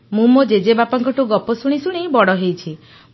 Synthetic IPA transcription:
mumod͡ʒed͡ʒebapɔŋkɔʈuɡɔpɔsuɽ̃isuɽ̃ibɔɽɔɦejt͡ʃʰi

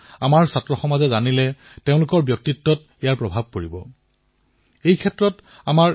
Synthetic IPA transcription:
amaɹsatɹɔxɔmazɛzanilɛ | teʊ̃lʊkɔɹbjɔk̚titːɔt | ijaɹpɹɔbʱab̚koɹibɔ̰ | ejkʰɛtɹɔt | amaɹ

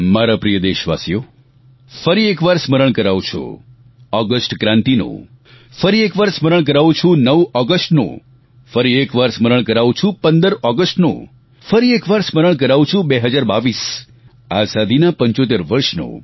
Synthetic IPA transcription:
maɾapɾijəd̪eʃʋa̰sijo | fəɾiekʋaɾsməɾəɳ̃kəɾaʋũt͡ʃʰo̰ | ɔɡəsʈkɾãnt̪ino̰ | fəɾiekʋaɾsməɾəɳ̃k̬əɾaʋũt͡ʃʰũnəʋɔɡəsʈno̰ | fəɾiekʋaɾsməɾəɳ̃kəɾaʋũt͡ʃʰũpənd̪əɾɔɡəsʈno̰ | fəɾiekʋaɾsməɾəɳ̃k̬əɾaʋũt͡ʃʰũbeɦəd͡ʒaɾbaʋis | azad̪ʱinapəɲt͡ʃot̪eɾʋəɾʃno̰

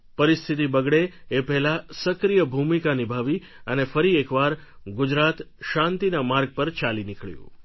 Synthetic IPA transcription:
pəɾist̪ʰit̪ibəɡɭeːpɛɦlasəkɾijəbʱumikanibʱaʋi | ənefəɾiekʋaɾɡʊd͡ʒɾat̪ʃãnt̪inamaɾɡ̚pəɾt͡ʃalinɪkɭjṵ̃

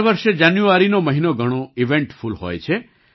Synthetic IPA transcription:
ʋəɾʃed͡ʒanjuaɾinoməɦinoɡʱəɽ̃oiʋeɳʈfʰulɦo̰jt͡ʃʰe

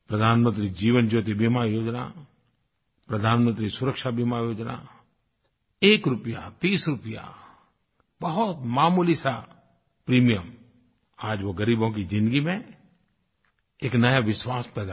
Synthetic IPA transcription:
pɾəd̪ʱaːnmə̃nt̪̬ɾid͡ʒiːʋənd͡ʒoːt̪ebimajoːd͡ʒna̰ | pɾəd̪ʱaːnmə̃nt̪ɾisʊɾəkʃabimajoːd͡ʒna̰ | eːkɾʊpija̰t̪iːsɾʊpja̰ | bɐɦʊt̪maːmuːlisa | pɾiːmijəm | aːd͡ʒʋoɡəɾiːbõkid͡ʒɪ̃nd̪əɡimẽ | eːknəjaʋɪswaːspɛːd̪a

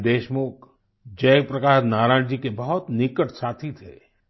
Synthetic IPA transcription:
d̪eːʃmʊk | d͡ʒɛːk̚pɾɐkaːɾnaːɾãːnd͡ʒikebɐɦʊt̪nɪkəʈsaːt̪ʰit̪ʰḛː

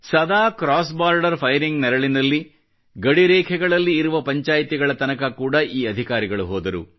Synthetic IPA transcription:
sɐd̪aːkɾaːs̬baːɾɖɐɾpʰɐjɾiŋɡnɛɾɐɭinɐlːi | ɡɐɽiɾɛːkʰɛɡɐɭɐlːiːɾuʋɐpɐɲt͡ʃaːjt̪iɡɐɭɐt̪ɐnɐkɐkuːɽɐʔiːɐd̪ʱikaːɾiɡɐɭuɦɔːd̪ɐɾṵ

